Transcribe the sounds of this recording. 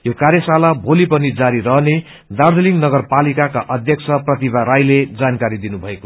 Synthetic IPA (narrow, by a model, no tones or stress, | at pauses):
jokaɾjʌsalabʱolipʌnid͡zaɾirʌɦne | d̪ard̪ʱʌliŋɡnʌɡʌrpalikakaʔʌd̪ʱjʌkt͡sʰʌprʌt̪ibaɾajled͡zankaɾid̪inubʱʌeko